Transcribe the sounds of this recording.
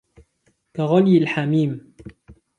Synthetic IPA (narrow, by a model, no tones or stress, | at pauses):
kaɣɑljɪlħamiːm